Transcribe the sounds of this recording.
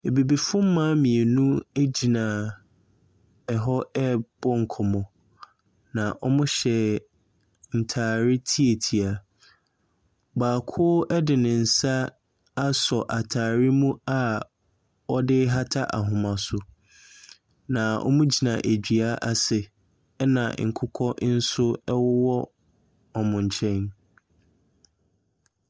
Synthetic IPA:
e˨bi˨bi˨fʊ̃˦m̩˦mãː˦mĩ˨e˨nũ˦e˦d͡ʑi˨nã˨ | ɛ˨ɦɔ˦ɛ˦b̥ɔ˦ŋ̩˨kʰɔ˨mɔ̃˨ | nã˨ʔɔ˦mʊ̃˦ɕɛ˨ | n̩˨tʰaː˨ɾɪ˦tʰi˦e˨tʰi˨a˨ | baː˨kʰʊ˦ʔɛ˦dɪ˨nɪ̃˨n̩˨sa˦ | a˦sɔ˨ʔa˨tʰaː˨ɾɪ˦mũ˦a˦ | ɔ˦dɪ˦ɦa˦tʰa˦ʔa˨ɦʊ̃˨mã˨sʊ˦ | nã˨ʔɔ̰˦mũ˦d͡ʑi˨nã˨ʔæ˨d͡ʑᶣi˨a˦ʔa˦sɪ˨˦ | nã̰˨ŋ̩˨kʰʊ˦kʰɔ˦ʔn̩˦sʊ˦ɛ˦wʊ˦wɔ˦ | ɔ˨mʊ̃˨ɲ̩˨t͡ɕʰɛ̃˦n

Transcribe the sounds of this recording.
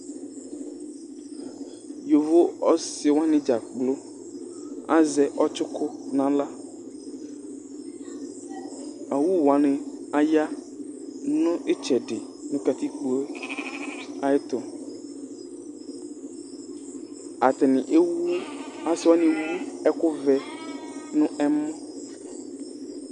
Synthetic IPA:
jo˨vo˦ɔ˦sɪ˨wa˦nɪ̃˦d͡ʒa˨k͡plo˦ | a̰˦zɛ˨ʔɔ˦t͡ʃʊ˦kʊ˦nã˨la˦ | a˨wu˦wa˨nɪ̃˨a˨ja˦ | nɔ̃˦ʔe˦t͡ʃɛ˨ɖɪ˨ | nʊ̃˦ka˨t̪i˦k͡po˦e˦ | a˨e˦t̪ɔ˨ | a˨t̪ɪ˨nɪ̃˨ʔe˦wu˦a˨swɔ˦nɪ̃˨wu˦ɛ˦kʊ˦vɛ˨ | nʊ̃˦ɛ˦mɔ̃˦

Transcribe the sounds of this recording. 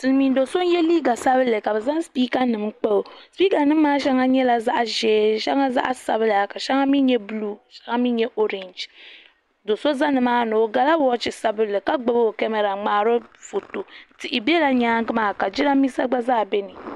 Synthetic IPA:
tɨ˨lmi˨n˦do˨so˦n˦jɛ˦liː˦ɡa˨sa˦bɨ˦lɨ˨ka˨bɛ˨za˦ŋ˦spiː˦ka˦nɨ˨mk͡pa˦o˨spiː˦ka˨nɨ˦m̩ː˦aː˦ʃɛ˦ŋa˦ɲɛ˦la˨za˦ʔʒɛː˨˦ʃɛ̰˦ŋa˦za̰˦ʔa˦sa̰˨βɨ˦la˨ka˨ʃɛ˦ŋa˦mi˦ɲɛ˦bluː˦˨ʃa˦ŋa˦mi˦ɲɛ˦ʔo˦ɾɛ˨nd͡ʒ | do˨so˦za˦nɨ˨maː˦no˨o˨ɡa˨la˦bɔ˦t͡ʃɪ˨sa˦bɨ˦lːɨ˨ka˦ɡ͡bɨ˦bo˨kɛ˦mɛ˨ɾa˨ŋ͡maː˨ɾo˦fo˨to˨tɪ˨ʔɪ˨bɛ˦la˦ɲaː˦ŋ˦ɡɨ˦maː˨ka˨d͡ʒi˦na˦mi˦sa˦ɡ͡ba˦zaː˦˨bɛ˦nɨ˨

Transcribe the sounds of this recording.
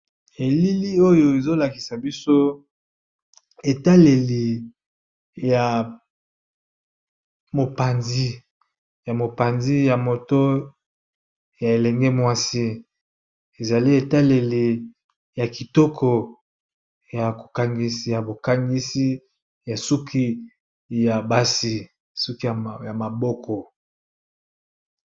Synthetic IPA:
e˨li˦li˦o˦jo˨e˨zo˦la˨ki˨sa˨bi˦so˦ | e˨ta˦le˨li˨ | ja˨ | mo˨pa˨nzi˦ | ja˨mo˨pa˨nzi˦ja˨mo˨to˦ | ja˨e˨lɛ˨ŋɡɛ˦mwa˦si˦ | e˨za˨li˦e˨ta˦le˨li˨ | ja˨ki˨tɔ˦kʰɔ˨ | ja˨ko˨ka˨ŋɡi˨si˨ja˨bo˨ka˦ŋɡi˦si˦ | ja˨su˦ki˦ | ja˨ba˦si˦ | su˦ki˦ja˨ja˨ma˨bɔ˦kʰɔ˨

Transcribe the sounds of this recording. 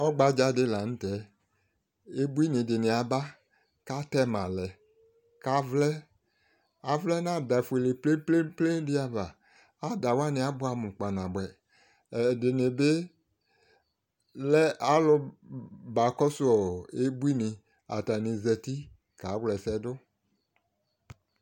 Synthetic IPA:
ɔ˦ɡ͡ba˨d͡ʒa˨˦dɪ˦la˨ñ̩˦tɛ˨˦ | e˦bu˦i˦nɪ̃˨dɪ˨nɪ̃˨a˨ba˦ | ka˦tɛ˦mã˨lɛ˨ | ka˦vlɛ˦ | a˨vlɛ˦nã˦˨da˨fu˨e˨le˨ple˦ple˦ple˦dɪ˦a˨va˨ | a˦da˨wa˦nɪ̃˨a˨˦bʊ˦a˨mʊ̃˨k͡pa˨nã˨bɛ˨ | dɪ˨ne˨be˦ | lɛ˦a˦lʊ˦ba˨kɔ˦sʊ˦ɔ˨e˦bu˦i˦nɪ̃˨ | a̰˨ta˨nĩ˨zɛ˨ti˦ | ka˨˦wlɛ˨sɛ˦dʊ˦

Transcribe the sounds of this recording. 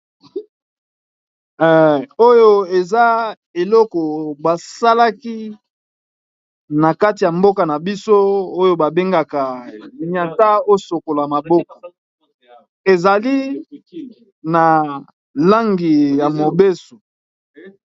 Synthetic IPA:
o˦jo˦e˨za˦ | e˨lɔ˦kɔ˨ba˨sa˦la˦ki˦ | na˨ka˦ti˨ja˨mbo˦ka˨na˨bi˦so˦o˦jo˦ba˨be˦ŋɡa˨ka˨ɲa˨ta˦o˦so˨ko˨la˨ma˨bo˦ko̥˨ | e˨za˨li˦ | na˨ | la˦ŋɡi˨ja˨mo˨be˦so˨

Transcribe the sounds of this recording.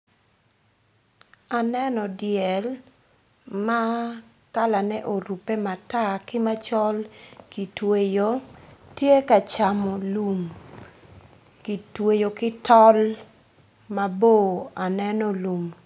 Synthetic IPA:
a˨nɛ˦nɔ˨djɛ˨l | ma˦ | ka˦la˨nɛ˦ʔo˨ɾu˨pe˦ma˨ta˦kɪ˦ma˦t͡ʃɔ˦lki˨twe˨jo˨˦tje˦ka˨t͡ʃa˨mɔ˨lu˨m | ki˨twe˨jo˨kɪ˦tɔ˦l | ma˨bo˦˨a˨nɛ˦nɔ˦lu˨m

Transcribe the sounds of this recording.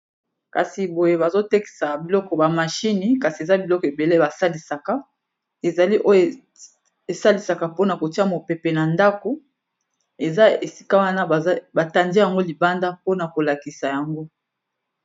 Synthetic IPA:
ka˨si˨bo˨je˦ba˨zo˦te˦ki̥˨sa˨bi˨lɔ˦kɔ˨ba˨ma˨ʃi˦ni˨ka˨si˨e˨za˦bi˨lɔ˦kɔ˨e˨be˨le˦ba˨sa˦li˨sa˨ka˦ | e˨za˨li˦ʔo˦jo˦˨ | e˨sa˦li˨sa˨ka˨po˦na˨ko˨ti˦a˦mo˨pe˨pe˨na˨nda˦ko˨ | e˨za˦e˨si̥˦ka˦wa˦na˦˨˦ba˨ta˨ndi˦ja˨ŋɡo˦li˨ba˦nda˦po˦na˨ko˨la˨ki˨sa˨ja˨ŋɡo˦

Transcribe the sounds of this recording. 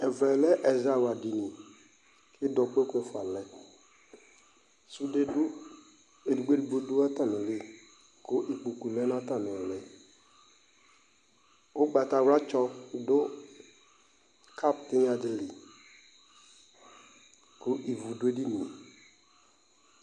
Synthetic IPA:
ɛ˨vɛ˨lɛ˦ʔɛ˨za˨wa˨di˨nĩ˨ | kɪ˦dɔ˨k͡pe˦kʊ˦ɛ˨fʊ˨a˨lɛ˨ | su˦de˦ʊ˦ | e˨du˨ɡ͡be˦du˨ɡ͡bo˦du˦a˦t̪a˦nɪ̃˨li˦ | kʊ˦ʔi˨k͡pu˨ku˨lɛ˦nã˦t̪a˦˨nɪ̃˨lɛ˨ | wo˦ɡ͡ba˨t̪a˨wɾa˦t͡ʃɔ˦dʊ˦ | kʰa˦˨p̚t̪ɪ˦ɲ˦a˨dɪ˦li˨ | kʊ˦ʔi˨vu˨do˦e˦di˦nĩ˨

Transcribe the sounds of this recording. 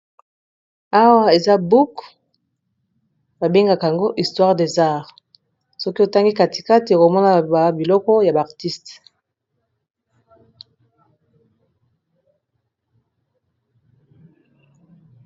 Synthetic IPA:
a˦wa˦e˨za˦bu˦k | ba˨be˦ŋɡa˨ka˨a˨ŋɡo˦ʔi˨stwa˦ʁde˨za˦˨ʁ | sɔ˦ki˦o˨ta˦ŋɡi˦ka˨ti̥˨ka˦ti˨ko˨mɔ˦na˨ba˨bi˨lɔ˦kɔ˦ja˨ba˨ʁti˦st

